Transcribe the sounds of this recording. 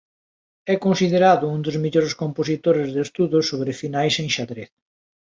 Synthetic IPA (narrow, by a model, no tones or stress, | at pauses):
ɛkonsiðeɾaðʊund̪ʊzmeʎoɾeskomposit̪oɾezðest̪uðʊsːoβɾɪfinajseŋʃaðɾeθ